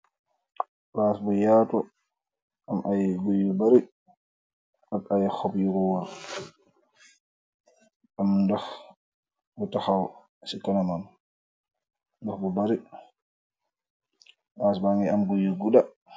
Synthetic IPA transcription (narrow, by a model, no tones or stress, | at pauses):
basbɔjaːtɔ | ʔamʔajɡojːɔbaɾi | akajhɔbjuɡɔwaɾ | ʔamdax | bɔtahaw | sikanaman | dɔxbɔbaɾi | basbaŋɡɛamɡojːɔɡuɗa